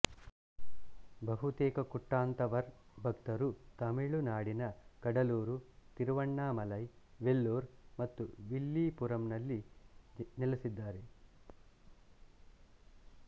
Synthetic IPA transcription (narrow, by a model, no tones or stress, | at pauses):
bʱɐɦut̪eːkɐkuʈːaːnt̪ɐʋɐɾbʱɐkt̪ɐɾut̪ɐmiɭunaːɽinɐkɐɽɐluːɾut̪iɾuʋɐɳːaːmɐlɐjʋelːuːɾmɐt̪ːuʋilːiːpuɾɐmnɐlːi | nilɐsid̪ːaːɾe